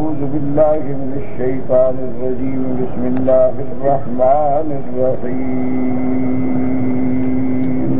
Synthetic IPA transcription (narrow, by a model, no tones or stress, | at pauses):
uːzʊbɪlːaːɦɪmɪnɐʃːɐjt̪aːnɪrːɐd͡ʒiːmbɪsmɪlːaːɦɪrːɐhmaː | nɪr | ɐhi | m